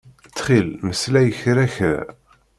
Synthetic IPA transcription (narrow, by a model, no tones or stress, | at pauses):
t͡sːχilməslæjəçɾæçðæ̰